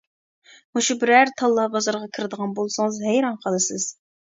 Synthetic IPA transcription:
muʃubɪɾæɾt̪ʰɑlˠːɑhbɑzɑɾʁɑkʲʰiɾɪd̪əʁɑnbolˠsɨŋzhæjɾɑnqʰəlˠɨsɨz̥

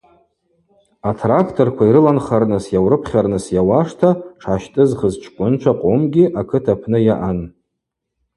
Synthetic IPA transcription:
atʰrakʰtʰo̞rkʷʰaiɾɨlanχarnɨsjawrɨpʰχʲarnɨsjawaʂtʰaʈ͡ʂʰaʃtʼɨzχəzt͡ʃʰkʷʼʊnt͡ʃʷʰaqʼomɡʲiʔakʰɨtʰapʰnɨjaʔan

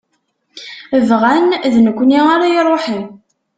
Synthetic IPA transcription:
əvʁænðnəkʷːniaɾajirˤːoħim

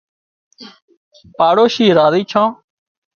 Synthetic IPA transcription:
paːɽoːʃiːɾaːziːt͡ʃʰãː

